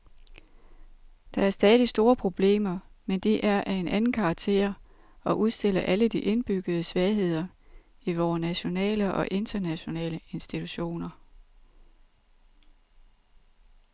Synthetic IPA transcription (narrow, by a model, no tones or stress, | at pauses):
d̥ɑ̈æɐsd̥ɛːð̞ˠisd̥o̝ːɐpʰʁo̝b̥le̝̰ːmɐmend̥iʔæɐʔæe̝nʔænn̩kʰɑ̈ːɡ̥̚t͡sʰe̝̰ːɐ̰ | ɒ̽ʔuð̞ˠsd̥e̝l̰ɐʔæləd̥iʔe̝nb̥yɡ̥ð̩ˠəsʋɛɪɦe̝ð̰ˠɐ | iʋɒːnæɕo̝nɛ̰ːləʔɒ̽ʔe̝nd̥ɐnæɕo̝nɛ̰ːləe̝nsd̥it͡sʰuɕo̝̰ːnɐ